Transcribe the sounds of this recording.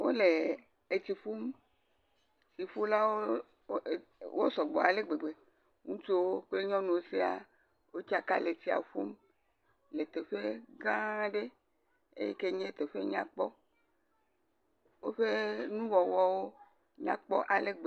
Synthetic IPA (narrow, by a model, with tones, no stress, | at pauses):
wo̰˦le˨ | e˨t̪i˨ɸu˦m | si˨ɸu˦la˦wo˦˨ | wo˦sɔ˨ɡ͡bɔ˨a˨le˦ɡ͡be˨ɡ͡be˨ | ŋũ˦t͡ʃo˦wo˦k͡ple˦ɲɔ̃˦nũ˨o˦si˦a̰˨ | wo˦t͡ʃa˦ka˦le˨t̪i˦a̰˨ɸṵ˦m | le˨t̪e˨ɸe˦ɡã˦ɖe˦ | ḛ˦jḛ˦ke˦ɲẽ˦t̪e˨ɸe˦ɲã̰˦˨k͡pɔ˦ | wo˦ɸe˦nũ˦wɔ˨wɔ˦wo˦ | ɲã̰˦k͡pɔ˦ʔa˨le˦ɡ͡be˨